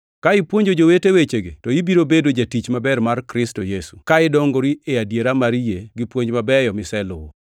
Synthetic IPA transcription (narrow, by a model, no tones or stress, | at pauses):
kaɪpwoɲd͡ʒod͡ʒowetewet͡ʃeɡḛtɔibiɾobedod͡ʒatit͡ʃmabɛɾmarkɾɪstojesukaɪdɔŋɡoɾieadjeɾamaɾijeɡɪpwoɲd͡ʒmabɛjɔmɪsɛlʊ̰wo̰